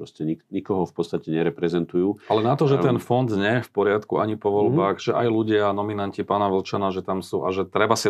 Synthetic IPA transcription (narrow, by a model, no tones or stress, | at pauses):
pɾɔscɛɲiɲikɔɦɔfpɔt̪st̪acɛɲɛɾɛpɾɛzɛnt̪ujuːalɛnat̪ɔʒɛt̪ɛnfɔnd̪ɲɛjɛfpɔɾɪat̪kuaɲipɔʋɔlbaːɣʒɛʔajluɟɪanɔminancipaːnaʋl̩t͡ʃanaʒɛt̪amsuːʔaʒɛt̪ɾɛbasi